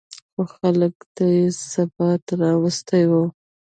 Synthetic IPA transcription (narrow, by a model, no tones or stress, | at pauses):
xoxaləkd̪̥əjsabɑt̪ɾɑwəst̪ajwu